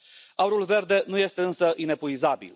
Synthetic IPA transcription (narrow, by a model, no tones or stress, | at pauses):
auɾulve̞rd̪e̞nuje̞st̪e̞ɨnsəʔine̞puizabḭl